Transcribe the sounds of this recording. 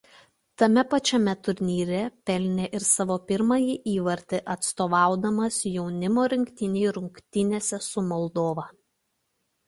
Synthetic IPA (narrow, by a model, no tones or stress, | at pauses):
t̪ɐmʲɛpɐt͡ʃʲɛmʲɛt̪ʊɾʲnʲiːɾʲɛpʲɛlʲnʲeʔɪɾsɑːʋoːpʲɪɾmɐjiʔiːʋɐɾʲt̪ʲeʔɐt̪st̪oːʋɑˑʊd̪ɐmɐsjɛʊnʲɪmoːɾʲɪŋʲkt̪ʲɪnʲɛɪɾʊŋʲkt̪ʲɪnʲeːsʲɛsʊmɔlˠd̪oːʋɐː